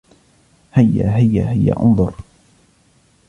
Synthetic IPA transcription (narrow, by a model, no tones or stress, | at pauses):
hajːa̰ɦɪjːahɪjːa̰ʔʊ̰nðˤʊɾ